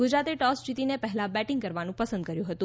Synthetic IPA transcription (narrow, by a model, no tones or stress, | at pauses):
ɡud͡ʒɾat̪eʈɔst͡ʃit̪inepəɦɛlabɛʈɪŋɡkəɾʋanũpəsə̃nd̪̚kəɾjũɦət̪ũ